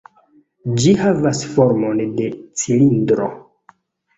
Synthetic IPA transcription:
d͡ʒihavasfo̞ɾmo̞nde̞t͡silindɾo̰

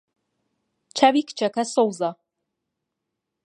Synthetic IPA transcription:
t͡ʃʰavikʰʼt͡ʃʰakʰasowza

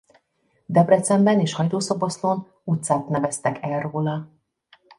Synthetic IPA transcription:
d̪ɛbrɛt̪sɛmbɛneːʃhɒjt̪oːsobo̞sloːn | ut̪saːt̪nɛvɛst̪ɛkɛlroːlɒ

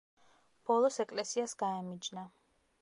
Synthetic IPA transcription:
b̥ɔlˠɔsɛkʼlɛsiasɡ̥aɛmid͡ʒna

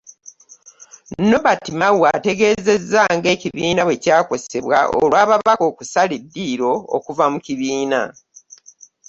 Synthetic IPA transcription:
no̞βatimawwate̞ɡe̞ːze̞zːaŋɡe̞ːciβiːnawe̞caːko̞se̞βwa̰ʔo̰lwaːβaβako̞ːkusalidːiːɾo̞o̰kuvamuciβiːna̰

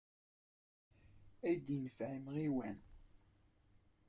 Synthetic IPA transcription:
æjd̪inəfʕimʁiwæn

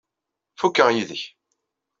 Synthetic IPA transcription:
fukːəʁjiðəç

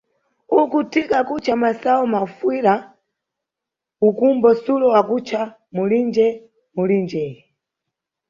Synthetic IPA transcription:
ukutʰikakut͡ʃʰamasaɔmafwiɾa | ukumbɔsulɔwakut͡ʃʰa | mulind͡ʒɛ | mulind͡ʒɛi

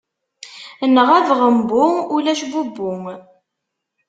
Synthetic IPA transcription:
nəʁæðʁəmbʊulæʃbubːʊŋ

